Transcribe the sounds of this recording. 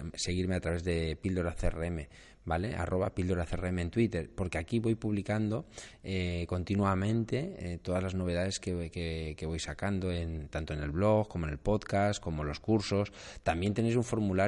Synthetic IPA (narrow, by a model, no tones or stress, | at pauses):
se̞ɣ̞iɾme̞at̪ɾaβe̞zðe̞pild̪o̞ɾaθeereeme̞ | bale̞ʔa̰rʔo̞β̞apild̪oɾaθereeme̞ːnt̪wit̪e̞ɾpo̞ɾke̞akiβo̞jpuβlikand̪o̞eko̞nt̪inwamẽ̞nt̪e̞et̪o̞ðazlazno̞β̞e̞ðaðe̞skekeke̞βo̞jsakand̪o̞e̞nt̪ant̪oene̞lβlo̞ɣko̞mone̞lpo̞ðkasko̞mo̞elo̞skuɾso̞st̪ambje̞nt̪ene̞js̬uɱfo̞ɾmula